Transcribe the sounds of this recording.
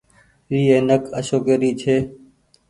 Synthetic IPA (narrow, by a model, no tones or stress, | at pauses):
ɾiːeːnəkəʃoːkeːɾiːt͡ʃʰeː